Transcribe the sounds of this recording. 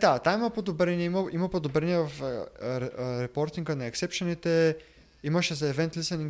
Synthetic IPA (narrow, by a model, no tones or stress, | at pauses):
d̪at̪aimɐpod̪obɾɛniɛimɐimɐpod̪obɾɛniɛvɐf | ɾɛpɔɾt̪iŋɡənɐɛksɛpʃɛnit̪ɛ | imɐʃɛzɐɛvɛnt̪lisɛniŋ